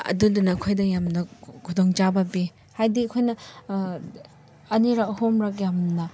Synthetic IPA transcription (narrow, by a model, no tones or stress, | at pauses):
ɐ̰dundunɐkʰojdɐjamnɐkʰudoŋt͡ʃabɐbi | hajdiɐkʰojnɐ | ɐniɾakhomɾakjamnɐ